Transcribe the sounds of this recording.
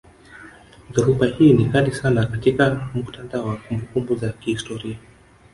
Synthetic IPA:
ðɛhupahiːnikanisanakatikam̩ku̥tandaɔwakumbukumbuzakihistɔɾia

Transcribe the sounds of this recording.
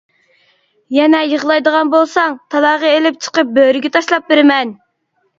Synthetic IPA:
jɛnɛjəʁlˠɑjd̪əʁɑnbolˠsɑŋt̪ʰɑlˠɑʁɑelɪp̚t͡ʃʰə̥qəp̚bøɾɪɡʲɛt̪ʰɑʃlˠɑp̚beɾɪmɛn

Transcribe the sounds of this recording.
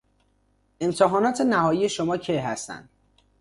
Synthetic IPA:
e̞mt̪ʰeɦɒːnɒːt̪ʰenæhɒːjiːje̞ʃomɒːcʰejɦæst̪æ̰nd̪̥

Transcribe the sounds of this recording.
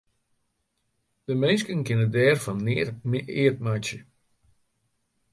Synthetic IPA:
d̥əmeːskənkɪnədɛːrfɔnːɪːət̚matjə

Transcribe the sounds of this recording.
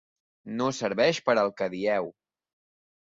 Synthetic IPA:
nosəɾβɛʃpəɾəlˠkəðiɛw

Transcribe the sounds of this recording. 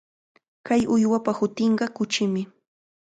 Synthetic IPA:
kajʊjwapahʊt̪ɪɴɢɑkʊt͡ʃɪmɪ

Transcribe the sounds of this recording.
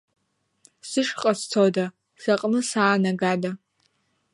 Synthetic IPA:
sɨʃqʼɐst͡sʰoda | ʃɐqʼnɨsaːnaɡada

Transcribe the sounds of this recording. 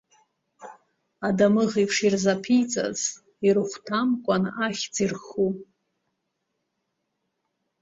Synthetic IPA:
adamɨʁipʰʂirzapʰijt͡sʼa̰z | irɨχʷtʰamkʷʼanaχʲt͡sʼirχu

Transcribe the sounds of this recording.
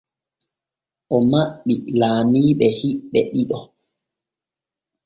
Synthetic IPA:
ʔɔmaɓːilaːmiːɓɛhiɓːɛɗiɗɔ

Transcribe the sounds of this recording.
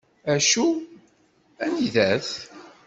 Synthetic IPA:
æʃu | æniðæθ

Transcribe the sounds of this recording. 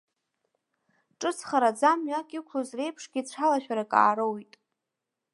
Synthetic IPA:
ʈ͡ʂʼɨt͡sʰχaɾad͡zamɥakʲʼikʷʰlozre̞jpʰʂɡʲit͡ɕʷʰalaʃᶣaɾakʼa̰ːɾowjtʼ

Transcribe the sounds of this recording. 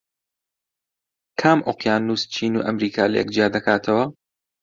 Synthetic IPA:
kʰaːmʔoqjaːnːuːst͡ʃʰiːnṵːʔɐmɾiːkʰaːlɐjɛ̰k̚d͡ʒijaːd̪ɐkʰaːt̪ʰɐwɐ

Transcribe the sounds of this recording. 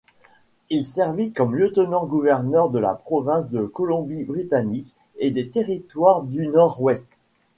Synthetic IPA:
ilsɛʁvikɔmljət̪ənɑ̃ɡuvɛʁnœʁd̪əla̰pχɔvɛ̃sd̪əkɔlɔ̃bibʁit̪anik | ed̪et̪eʁit̪waʁd̪ynɔʁwɛst̪

